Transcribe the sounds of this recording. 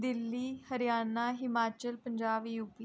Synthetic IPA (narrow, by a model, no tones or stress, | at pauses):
d̪ɪlːiːhəɾijaːnaːɦɪmaːt͡ʃəlpə̃ɲd͡ʒaːʋiːup